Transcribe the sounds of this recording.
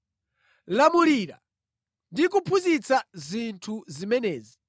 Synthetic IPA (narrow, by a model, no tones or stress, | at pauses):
lamuliːɾa̰ | ndikupʰuzit͡sazintʰuzimɛnɛːzi